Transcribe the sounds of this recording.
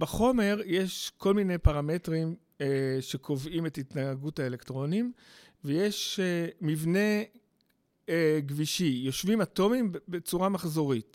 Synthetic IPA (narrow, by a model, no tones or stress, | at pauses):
baχo̞me̞ʁjeʃko̞lmine̞jpaʁame̞tʁim | ʃe̞kʰo̞vimetitnaaɡuthaelektʁo̞nim | vejeʃemivne̞ | ɡviʃijo̞ʃvimato̞mimbet͡suʁamaχzo̞ʁit